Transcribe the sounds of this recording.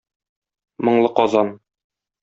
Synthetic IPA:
mɤ̆ɴlˠɤqɒzɑn

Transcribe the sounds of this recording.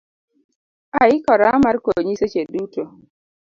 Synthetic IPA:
aɪkɔɾamarkoɲiset͡ʃeduto

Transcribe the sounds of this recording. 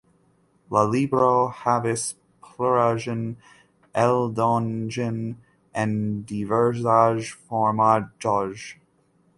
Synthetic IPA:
ləlibɹohævɪs | pʰləɹaʒə̃n | ʔɛlˠdɔnd͡ʒə̃n | ʔɨ̃ndivə˞zaʒfɔɹmad͡ʒɔʒ

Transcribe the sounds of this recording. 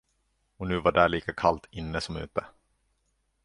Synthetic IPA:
ɔnʉ̟ːvaɖæːlɭiːkakʰalt̪ʰɪnːəsɔmʉ̟ːt̪ə

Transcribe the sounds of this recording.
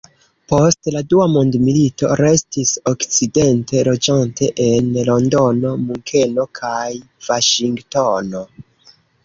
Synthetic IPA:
po̞stladuamondmilito̞̰ɾe̞stisokt͡side̞nte̞lo̞d͡ʒantʰe̞ʔenlo̞ndo̞no̞muŋkʰe̞no̞kʰaj | vaʃiŋɡtono̞

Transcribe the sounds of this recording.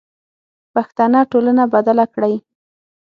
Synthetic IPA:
paxt̪anɑʈolanabad̪alakɽaj

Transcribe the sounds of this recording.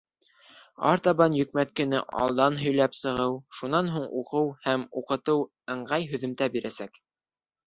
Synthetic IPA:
ɑ̰ɾt̪ɑβɑnjɵ̆k̚mæt̪̚kɘ̆nɘ̰ʔɑ̰lˠd̪ɑnɦɵ̆jlæpsɤ̆ʁɤwʃunɑnɦuɴuqɤwhæmuqɤ̆t̪ɤw | ɤ̆ɴɢɑjɦɵ̆ðɘ̆mt̪æbiɾæsæk

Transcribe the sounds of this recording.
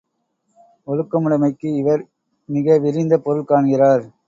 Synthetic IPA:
ɔɻɯkːɐmʊɽɐmɐɪkːɯɪʋɐɾ | mɪɣɐʋɪɾɪnd̪ɐpɔɾɯɭkaːɳɣɪɾaːɾ

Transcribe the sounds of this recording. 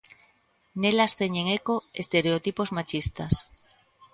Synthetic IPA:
nelast̪eɲeŋekoest̪eɾeot̪ipozmat͡ʃist̪as

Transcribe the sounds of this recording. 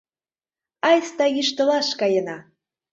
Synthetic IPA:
ɑjst̪ɑjiʃt̪ɤ̆lɑʃkɑjə̆nɑ

